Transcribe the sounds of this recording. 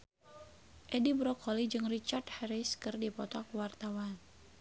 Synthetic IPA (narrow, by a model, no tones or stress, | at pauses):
ʔɛdibɾɔkɔlid͡ʒɨŋrit͡ʃart̪hɛɾiskɨrdipɔt̪ɔkwart̪awan